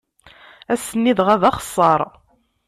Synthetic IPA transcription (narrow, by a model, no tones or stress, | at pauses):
æsənːiðʁæðɑχə̥sˤːɑɾˤ